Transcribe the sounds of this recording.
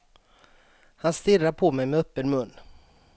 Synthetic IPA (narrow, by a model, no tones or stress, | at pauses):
hanst̪ɪraɾpʰoːmɛjmɛœpːənmɵnː